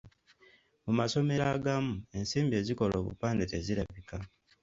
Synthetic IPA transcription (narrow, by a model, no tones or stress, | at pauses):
mumaso̞me̞ɾaːɡamue̞nsiːmbie̞ːziko̞lo̞ːβṵpaːndete̞ziɾlaβika